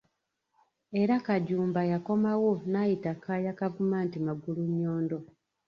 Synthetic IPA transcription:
e̞ɾakaɟuːmbajako̞mawo̞naːjitakajakavumaːntimaɡuluɲːoːndo̞

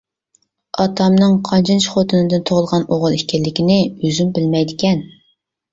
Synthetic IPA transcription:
ɑt̪ʰɑmnɨŋqʰɑnt͡ʃʰint͡ʃʰχot̪ʰɨnɨd̪ɨnt̪ʰoʁʊlˠʁɑnoʁʊlˠikʲɛlːɪkʲɪnɪøzymbɪlmɛjd̪ɪkʲɛn

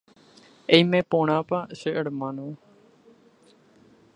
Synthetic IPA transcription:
ejmẽpõɽ̃ãpaʃəʔəɽmãnõ

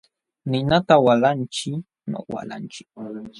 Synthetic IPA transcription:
nɪnat̪awalant͡ʃɪ | no̰wa̰la̰nt͡ʃɪ̥k̚

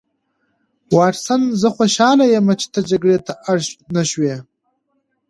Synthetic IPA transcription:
wɑːʈsanzəxoʃɑːlajemat͡ʃe̥t̪ad͡ʒaɡɽet̪ʰaʔaɽʃnaʃweː

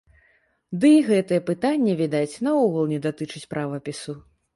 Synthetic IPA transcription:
d̪ɨiɣɛt̪ɨjɛpɨt̪anʲːɛvʲid̪at͡sʲnɐɔɣɐlˠnʲɛd̪at̪ɨt͡ʂɨt͡sʲpɾʔavɐpʲisu

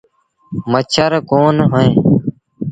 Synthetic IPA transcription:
mət͡ʃʰəɾkoːnɦə̃ẽː

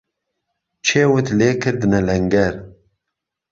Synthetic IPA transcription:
t͡ʃʰeːwʊt̪leːkʰɨɾd̪ɨnɛlɛŋɡɛɾ

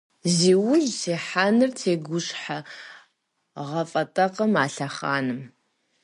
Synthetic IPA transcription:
ziːwʊɮseːħanɨrtʰeːɡʷʊɕħa | ʁɐfʼɐtʼɐqɐmaːɬɐχa̰ːnɨm

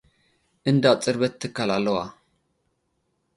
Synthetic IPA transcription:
ʔɨnd̪at͡sʼɨɾβət̪ʰːɨkːalalːəwa

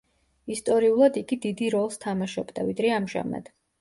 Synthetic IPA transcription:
ist̪ʼɔɾiulˠad̪iɡid̪id̪iɾɔlˠst̪ʰamaʃɔbd̪avid̪ɾɛamʒa̰ma̰d̪̥

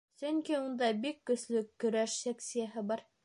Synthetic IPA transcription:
sɵŋkiund̪ɑbikːɵ̆slɵkːɵ̆ɾæʃsæksijaɦɘbɑɾ

